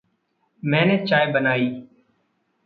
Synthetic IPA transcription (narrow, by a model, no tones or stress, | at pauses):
mɛ̃ːneːt͡ʃaːeːbənaːiː